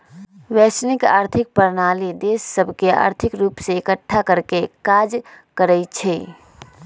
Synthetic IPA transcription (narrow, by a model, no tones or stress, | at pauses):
ʋɛːsnɪka̰ːɾt̪ʰɪk̚pəɾnaːlid̪eːsːəbʱkea̰ːɾt̪ʰɪkɾuːpseːkəʈʰːakəɾkekaːd͡ʒkəɾɛt͡ʃʰɛ